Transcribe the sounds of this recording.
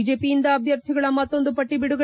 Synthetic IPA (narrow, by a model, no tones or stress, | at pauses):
d͡ʒe̞ːpijind̪ɐːbʱjɐɾt̪ʰiɡɐɭɐmɐt̪ːo̞nd̪upɐʈːibiɽuɡɐ